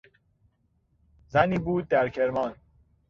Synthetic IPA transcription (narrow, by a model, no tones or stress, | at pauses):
zæniːbuːd̪̚ːæɾcʰeɾmɒːn